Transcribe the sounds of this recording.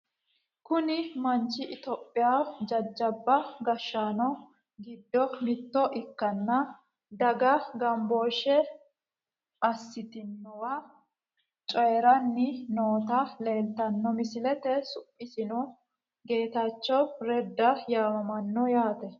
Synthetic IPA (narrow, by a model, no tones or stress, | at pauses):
kʊnɪmɐnt͡ʃːɪʔɪt̪ɔːpʼːɪjaːd͡ʒɐd͡ʒːɐbːɐɡɐʃːaːnɔ | ɡɪd̪ːɔmɪt̪ːɔʔɪkːɐnːɐ | d̪ɐɡɐɡɐmboːʃɛ | ʔɐsːɪt̪ɪnːɔwɐ | t͡ʃʼɔjɛɾɐnːɪnoːt̪ɐle̞ːlt̪ɐnːɔmɪsɪlɛt̪ɛsʊpʼːɪsɪnɔ | ɡe̞ːt̪ɐt͡ʃːɔwɾɛd̪ːɐjaːmɐmɐnːɔjaːt̪ɛ